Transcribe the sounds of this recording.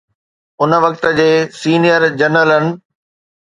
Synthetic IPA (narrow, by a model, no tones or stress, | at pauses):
ʊnəʋɐkt̪ə̆d͡ʑeːsiːnijəɾd͡ʑɐnələnɪ̆